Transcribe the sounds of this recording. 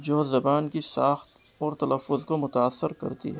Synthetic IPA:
d͡ʒoːzɐbaːnkisaːxt̪ | ɔːɾt̪ɐlɐfːʊzkomʊt̪aːsːɪɾkɐ̰ɾt̪ḭɦɛː

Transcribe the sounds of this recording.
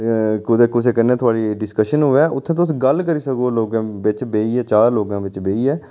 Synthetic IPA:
kʊd̪eːkʊseːkəneːt̪ʰʊaːɽiːɖɪskəʃənɦoːɛːʊt̪ʰːẽt̪ʊsɡəlkəɾiːsəkoːloːɡãːbɪt͡ʃbeːiːɛːt͡ʃaːɾloːɡãːʋɪt͡ʃbeːiːɛː

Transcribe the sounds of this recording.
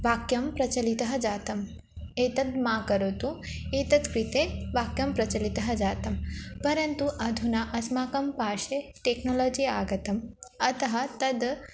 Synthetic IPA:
ʋaːkjɐmpɾɐt͡ʃɐlit̪ɐɦɐd͡ʒaːt̪ɐm | eːt̪ɐd̪maːkɐɾot̪ueːt̪ɐd̪kɾit̪eʋaːkjɐmpɾɐt͡ʃɐlit̪ɐɦɐd͡ʒaːt̪ɐmpɐɾɐnt̪uʔɐd̪ʱunɐʔɐsmaːkɐmpaːʃeʈeːknoloːd͡ʒiaːɡɐt̪ɐmɐt̪ɐɦɐt̪ɐd̪

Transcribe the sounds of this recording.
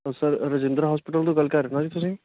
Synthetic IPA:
ɔsɐɾɾəd͡ʒɪ̃nd̪ɾaɦɔːspɪʈəld̪oɡɐlkaɾenãd͡ʒiːt̪ʰʊsẽː

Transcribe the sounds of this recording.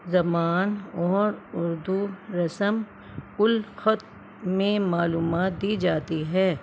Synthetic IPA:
zɐmaːnɔːɾʊɾd̪uɾɐsəm | kʊlxɔt̪̚ | mẽmaːluːmaːt̪̚d̪iːd͡ʒaːt̪iɦɛː

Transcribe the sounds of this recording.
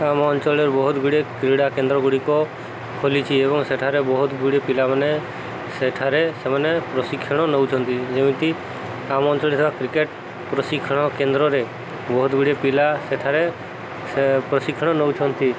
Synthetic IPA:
amɔnt͡ʃɔleɾbɔɦut̪ɡʱuɽekɾiɽakẽnd̪ɾɔɡuɽikɔ | kʰolit͡ʃʰiebɔŋseʈʰaɾebɔɦut̪ɡuɽepilamane | seʈʰaɾesemanepɾɔsikʰːɔɽ̃ɔnəwt͡ʃʰɔnt̪id͡ʒemĩt̪i | amɔnt͡ʃɔlesebakɾikeʈ | pɾɔsikʰːɔɽ̃ɔkend̪ɾɔɾe | bɔɦut̪ɡuɽepilaseʈʰaɾe | pɾɔsikʰːɔɽ̃ɔnɔwt͡ʃʰɔnt̪ʰi

